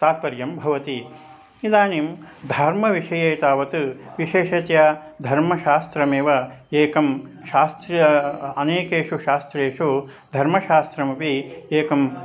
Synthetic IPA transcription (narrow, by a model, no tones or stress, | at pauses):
t̪aːt̪̚pɐɾjɐmbʱɐʋɐt̪i | id̪aːnimd̪ʱɐɾmɐʋiʂɐjeːt̪aːʋɐt̪ɨʋiʃeːʃɐt̪jad̪ʱɐɾmɐʃaːst̪ɾɐmeːʋɐeːkɐm | ʃaːst̪ɾjɐɐneːkeːʂuʃaːst̪ɾeːʂu | d̪ʱɐɾmɐʃaːst̪ɾɐmɐpieːkɐm